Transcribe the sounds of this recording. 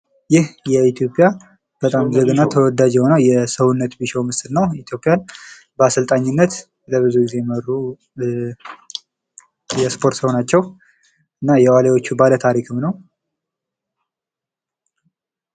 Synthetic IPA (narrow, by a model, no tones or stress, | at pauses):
jɪhjɛit̪ʰijo̞pʼːja | b̥ət̪ʼamzəɡənat̪ʰəwɔd̪ad͡ʒjhonawjɛsəwunːət̪biʃɛwmɨsɨlnəwit̪ʰjo̞pʼːjan | bəasɨlt̪ʼaɲːɪnːət̪ | ləβɨzuɡize̞jmərːu | jɛspʰo̞ɾt̪səwnat͡ʃːɛw | ʔɨnːajɛwalejwo̞t͡ʃːubalət̪ʰaɾikʰɨmnəw